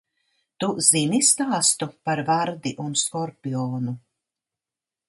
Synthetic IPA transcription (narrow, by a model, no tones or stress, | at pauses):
t̪uz̥inist̪aːst̪upaɾvaɾd̪iʔunskɔɾpʲiɔːnu